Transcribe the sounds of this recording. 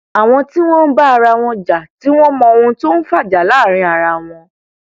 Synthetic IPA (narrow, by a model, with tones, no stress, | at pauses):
a˨w̃ɔ̃˧ti˦w̃ɔ̃˦n̩˦ba˦a˧ɾa˧w̃ɔ̃˧d͡ʒa˨ti˨˦w̃ɔ̃˦mɔ̃˧o˧ũ˧to˦n̩˦fa˦˨d͡ʒa˨la˨˦˨ɾ̃ĩ˧a˨ɾa˧w̃ɔ̃˧